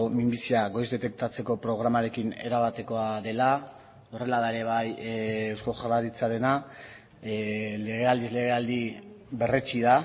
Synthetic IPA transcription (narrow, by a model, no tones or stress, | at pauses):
mimbisiaɣo̞jzd̪e̞t̪e̞kt̪at͡se̞ko̞pɾo̞ɣ̞ɾamaɾe̞kine̞̰ɾaβat̪e̞ko̞aðe̞la | o̞re̞laðae̞ɾe̞β̞ajwsko̞ʝaraɾit͡saɾe̞na | le̞ɣ̞e̞ald̪izle̞ɣe̞ald̪iβe̞ret͡ʃiða